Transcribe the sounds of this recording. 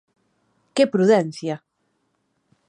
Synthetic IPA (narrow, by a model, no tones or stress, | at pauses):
kɪpɾuðɛn̟θja